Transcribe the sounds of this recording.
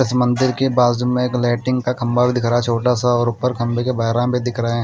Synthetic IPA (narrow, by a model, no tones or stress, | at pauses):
ɪsmɐ̃nd̪ɪɾkebaːzd͡ʒʊmẽeːklaːʈɪ̃ŋɡkakʰɐ̃mbabʱid̪ɪkʰɾaːɛt͡ʃʰoːʈasaɔːɾʊpːəɾkʰɐ̃mbekebaɦɾãbʱid̪ɪkʰɾəẽ